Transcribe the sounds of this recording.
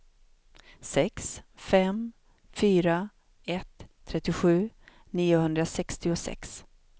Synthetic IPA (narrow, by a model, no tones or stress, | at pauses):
sɛksfɛm | fyːɾa | ɛt̪ʰː | ɾɛt̪ːɪɧʉ̟ː | niːʊhɵnd̪ɾasɛkst̪ɪʊsɛ̰ks